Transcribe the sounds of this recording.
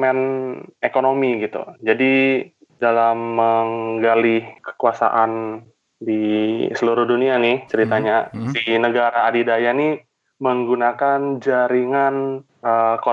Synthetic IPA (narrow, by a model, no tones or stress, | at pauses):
mɛnekonomiɡit̪ṵd͡ʒadi | dalamːəŋɡalihkə̥kuasa̰ʔan | disəluɾʊhdunianɪht͡ʃəɾit̪aɲasinəɡaɾaːdidajani | məŋɡunakand͡ʒaɾiŋan | əko